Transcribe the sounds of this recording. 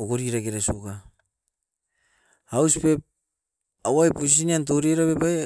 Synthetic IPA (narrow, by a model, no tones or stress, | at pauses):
oɡoɾiɾaɡeɾasuka | awsipe | awajpus̬iiniant̬o̞ɾeɾaβepae